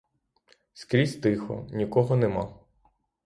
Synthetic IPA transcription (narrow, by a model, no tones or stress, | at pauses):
skɾʲizʲt̪ɪxɔ̰nʲikɔɦɔnemɑ